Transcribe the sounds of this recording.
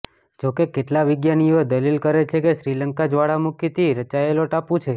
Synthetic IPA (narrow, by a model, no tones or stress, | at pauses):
d͡ʒokekeʈlaʋɪɡjanijoed̪əlilkəɾet͡ʃʰekeʃɾiləŋkad͡ʒʋaɽamukit̪ʰiɾət͡ʃaeloʈapũt͡ʃʰe